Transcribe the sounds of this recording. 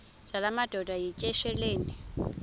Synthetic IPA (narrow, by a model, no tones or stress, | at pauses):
ʒ̥alamad̥ʱɔd̥ʱajit͡ʃʼɛʃɛleːni